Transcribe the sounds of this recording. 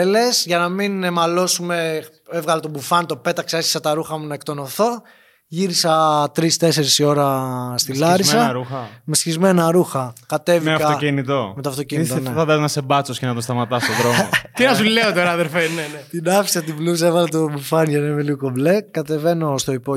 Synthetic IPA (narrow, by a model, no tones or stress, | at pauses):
ele̞sʝɐnɐminemɐlo̞sume̞ | evɣɐlɐt̪obufɐnt̪o̞pe̞t̪ɐkseesçi̥sɐt̪ɐɾuxɐmunɐek̚t̪o̞noθo̞ | ʝiɾisɐt̪ɾist̪e̞se̞ɾisio̞ɾɐst̪ilɐɾisɐɾuxɐmesçizme̞nɐɾuxɐkɐt̪e̞viɐkɐoinit̪omet̪oɐft̪o̞ciniit̪oneθɐðɐznɐsebɐt͡soscenɐt̪ost̪ɐmɐt̪ɐst̪oðɾomot̪inɐsuleot̪oɾɐɐðelfenenet̪inɐfi̥sɐt̪iblusɐevɣɐlɐt̪obufɐnʝɐnemeliukoble̞kːɐt̪e̞ve̞no̞st̪o̞ipo